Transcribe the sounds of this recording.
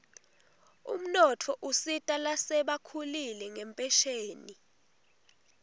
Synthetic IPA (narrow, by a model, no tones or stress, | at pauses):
ṵm̩nɔtʰɔʔusitʼalasɛɓakʰulilɛŋɛmpʼɛʃeːni